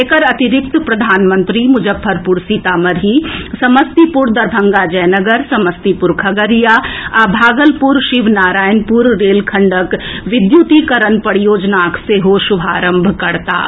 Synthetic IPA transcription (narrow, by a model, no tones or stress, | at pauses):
kəɾɐt̪ɪɾɪk̚t̪pɾɐd̪ʱaːnmə̃nt̪ɾimʊd͡ʒəbʱːəɾpuɾsit̪aːmɐɾɦisɐməst̪ipʊɾd̪ɐɾbʱə̃ŋɡad͡ʒɛːnəɡəɾsɐməst̪ipʊɾkʰɐɡəɾijaabʱaːɡəlpuɾʃɪʋnaːɾaːjənpuɾːeːlkʰɐ̃ɳɖəkʋɪd̪jut̪ikɐɾənpɐɽjoːd͡ʒnaːkseɦoːʃʊbʱaːɾə̃mbʱkɐɾt̪a̰ː